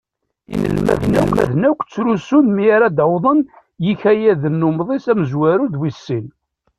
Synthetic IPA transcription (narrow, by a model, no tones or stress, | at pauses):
ḭlmæ̰θnæ̰kʷðnækʷːt͡sːɾusunmiɾad̪əwðˤən | jiçæjæðənːʊmðˤisæməzwæɾud̪wisːin